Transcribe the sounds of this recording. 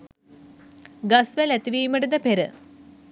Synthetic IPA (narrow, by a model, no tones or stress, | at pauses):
ɡɐsʋelet̪ːiʋijumɐɽud̪ɐpeɾɨ